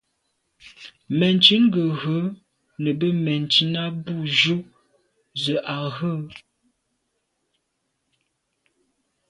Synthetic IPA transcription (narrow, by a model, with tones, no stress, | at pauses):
mɛ˨nt͡ʃi˨˦ŋ̩˦ɡə˨ɣə˨˦ | nə˨bə˦mɛ˨nt͡ʃi˨na˦bu˦˨ʒu˦ | zə˨ʔa˨ɣə˦˨